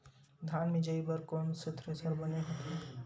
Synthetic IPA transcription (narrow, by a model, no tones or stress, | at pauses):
d̪ʱaːnmĩd͡ʒəibəɾkɔːnsɪt̪ʰɾesəɾbəneɦɐt̪ʰe